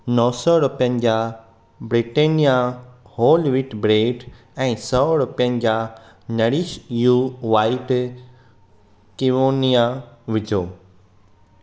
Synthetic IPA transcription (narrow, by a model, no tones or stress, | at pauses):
nɔːsɔɾʊpjə̃nd͡ʑa | bɾiʈeːnijahoːlʋiʈbɾeːʈ | ɛ̃ːsɔɾʊpjə̃n̆d͡ʑa | nɐɽiʃjuʋaːiʈ | kiʋoːnijaʋɪd͡ʑʱoː